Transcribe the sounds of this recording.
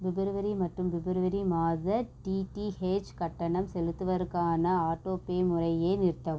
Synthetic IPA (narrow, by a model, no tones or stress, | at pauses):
ʋɪbɪɾɯʋɐɾimɐʈrɯmʋɪbɪɾɯʋɐɾimaːðɐʈiʈiheːt͡ʃkɐʈːɐɳɐmsɛlɯt̪ːɯʋɐɾɯkːaːnɐaːʈːoːpeːmʊrɐjeːnɪɾt̪ːɐʋ